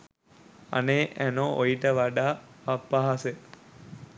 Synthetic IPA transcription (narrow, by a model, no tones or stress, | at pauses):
a̰neːʔænoʔojiʈəʋaɖaːpapːaɦase